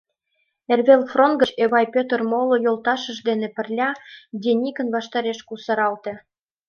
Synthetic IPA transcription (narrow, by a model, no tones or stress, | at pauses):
erβelfronɡə̆t͡ɕeβɑjpøt̪ərmolojolt̪ɑʃə̆ʒd̪enĕpə̆rlʲɑd̪ʲenʲikə̆nβɑʃt̪ɑɾeʃkusɑɾɑlt̪ĕ